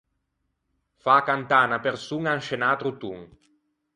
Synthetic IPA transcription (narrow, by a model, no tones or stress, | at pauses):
faːkant̪aːnapersuŋanʃenaːt̪ɾut̪uŋ